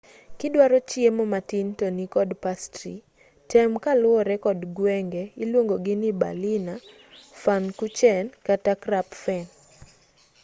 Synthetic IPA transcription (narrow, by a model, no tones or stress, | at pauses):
kɪdwaɾɔt͡ʃiemɔmatintonikɔdpastɾḭ | tɛmkalʊɔɾɛkɔdɡwɛŋɡɛilwoŋɡoɡɪniba̰lina | fankut͡ʃɛnkatakɾapfɛn